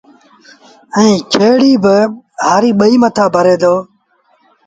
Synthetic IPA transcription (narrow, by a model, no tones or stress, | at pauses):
əĩːkʰeːɽiːbəɦaːɾiːɓəiːmət̪ʰaːbʱəɾeːd̪oː